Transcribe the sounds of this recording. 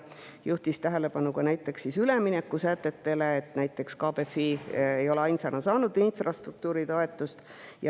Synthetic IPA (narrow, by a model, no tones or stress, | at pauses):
juht̪ist̪æɦe̞le̞b̥ɑnukɑnæjt̪ːˑe̞ksːisyleminekːˑusæt̪ːe̞t̪ːe̞leːt̪næjt̪ːˑe̞kskɑːbefiejo̞leɑjnsɑnɑsɑːnud̪infrɑst̪ruk̚t̪uːɾit̪o̞e̞t̪ːˑust̪jɑ